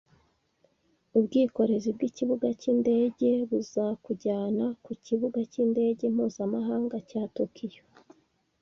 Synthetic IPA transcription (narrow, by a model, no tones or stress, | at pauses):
ubɡiːko̞ɾe̞zibɡiciβuɡaciːnde̞ːɟe̞βuzakuɟaːnakuciβuɡaciːnde̞ːɟe̞m̥huːzamaɦaːŋɡacaːtokijo